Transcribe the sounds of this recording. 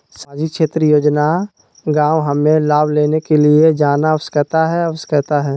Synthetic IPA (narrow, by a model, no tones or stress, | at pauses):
sãːd͡ʒɪkʃeːt̪ɾəjoːd͡ʒna | ɡãːwɦəmẽlaːbʱleːnekelied͡ʒaːnawəskət̪aɦɛɐwəskət̪aɦɛː